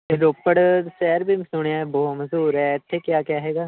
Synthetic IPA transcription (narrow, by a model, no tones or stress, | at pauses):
eɾoːpːəɽsɛːɾbʱiːmsʊɳjaːɛbɔːməzuːɾɦɛːɪt̪ʰːeːkjaːkjaːɦɛːɡaː